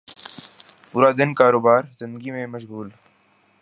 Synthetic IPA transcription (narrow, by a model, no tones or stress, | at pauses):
pʊːɾad̪ɪnkaːɾoːbaːɾzɪ̃nd̪əɡimẽmɐʃ̬ɣuːl